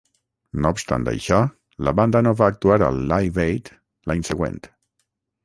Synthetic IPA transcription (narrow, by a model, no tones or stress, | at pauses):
noupst̪a̰nd̪ə̰jʃɔ | lə̰βand̪ənoβaːk̚t̪uaɾə̰lˠːajβejt̪ | laɲsəɣwḛnt̪